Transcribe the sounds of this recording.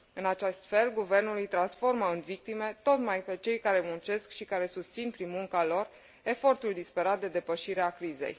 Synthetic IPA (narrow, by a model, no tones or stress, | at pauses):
ɨnat͡ʃe̞st̪fe̞lɡuve̞rnulujt̪ɾansfo̞rməɨnvik̚t̪ime̞t̪o̞t̪majpe̞t͡ʃe̞jkaɾe̞munt͡ʃe̞skʃikaɾe̞sust̪sinpɾinmuŋkalo̞r | e̞fo̞rt̪uld̪ispe̞ɾat̪̚d̪e̞d̪e̞pəʃiɾe̞akɾize̞̰j